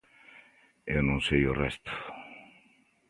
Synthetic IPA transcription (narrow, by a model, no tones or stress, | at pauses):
ewnõnsejorɛst̪ʊ̥